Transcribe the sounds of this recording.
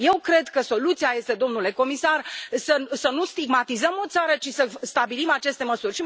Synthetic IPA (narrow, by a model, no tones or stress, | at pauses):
je̞wkɾe̞d̪kəso̞lut̪siaje̞st̪e̞d̪o̞mnule̞ko̞misarsəsənust̪iɡmat̪izəmo̞t̪saɾət͡ʃisəst̪abilimat͡ʃe̞st̪e̞məsurʲʃi